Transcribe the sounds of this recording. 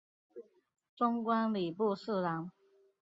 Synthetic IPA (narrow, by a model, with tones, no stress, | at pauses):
ʈ͡ʂʊ˥ŋkwa˥nli˨˩pu˥˧s̩˥˩lɑ˧˦ŋ